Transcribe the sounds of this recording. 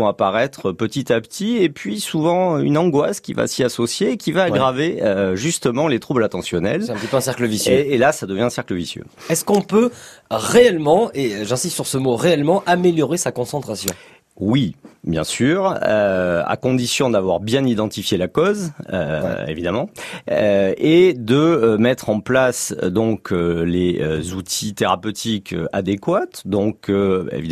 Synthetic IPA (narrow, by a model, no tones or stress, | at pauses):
ɔ̃apaʁɛt̪χəpət̪it̪apt̪ʰiepɥisuvɑ̃ynɑ̃ɡwaskʲiva̰siasɔsjeːkʲivaːɡʁaveøʒyst̪əmɑ̃let̪χublat̪ɑ̃sjɔnɛ̰lɛ̃pt̪ipøɛ̃sɛʁkləvisjeːlasad̪əvjɛ̃ɛ̃sɛʁkləvisjø̰ | ɛskɔ̃pøʁeɛlmɑ̃eʒɛ̃sist̪syʁsəmoʁeɛlmɑ̃ʔameljɔʁesakɔ̃sɑ̃t̪χasjɔ̃ | wibjɛ̰̃syːʁøa̰kɔ̃d̪isjɔ̃d̪avwaʁbjɛ̃nid̪ɑ̃t̪ifjelakɔzøḛvid̪amɑ̃ | ed̪əmɛt̪χɑ̃plasd̪ɔ̃kʰøleøzut̪ʰit̪eʁapøt̪ʰikø̰ad̪ekwat̪d̪ɔ̃kʰøḛvid̪